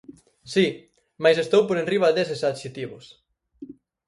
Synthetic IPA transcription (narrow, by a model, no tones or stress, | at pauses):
si | majsest̪owpoɾenriβad̪esesaðʃit̪iβʊs